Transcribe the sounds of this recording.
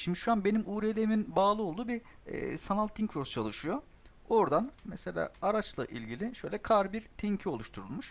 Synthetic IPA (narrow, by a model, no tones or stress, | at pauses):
ʃimd̪iʃuanbenimʔuːɾelʲeɾiminbaːlˠɯo̞lˠd̪uːbi | ɛ̰sanalʲˠt̪ʰːiŋkɾoɾst͡ʃʰalˠɯʃɯjo̞ | oɾd̪anmɛse̞lʲa̰ːaɾat͡ʃlˠa̰ʔilʲɟilʲiʃø̞jlʲɛkʰaɾbiɾt̪ʰɛɲcʰio̞lˠuʃt̪ʰuɾulˠmuʃ